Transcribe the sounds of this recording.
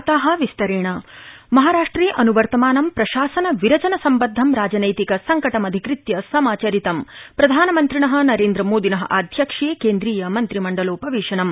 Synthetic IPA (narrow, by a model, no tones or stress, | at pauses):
t̪aːɦɐ̆ʋist̪ɐɾeːɳɐmɐɦaːɾaːʂʈɾiːʔɐnuʋɐɾt̪ɐmaːnɐmpɾɐʃaːsɐnɐʋiɾɐt͡ʃɐnɐsɐmbɐd̪ʱːɐmɾaːd͡ʒɐnɐjt̪ikɐsɐŋkɐʈɐmɐd̪ʱikɾit̪jɐsɐmaːt͡ʃɐɾit̪ɐmpɾɐd̪ʱaːnɐmɐnt̪ɾiɳɐɦɐ̆nɐɾeːnd̪ɾɐmoːd̪ʱinɐɦɐ̰ʔaːd̪ʱjɐkʂeːkeːnd̪ɾiːjɐmɐnt̪ɾimɐɳɖɐloːpɐʋeːʂɐnɐm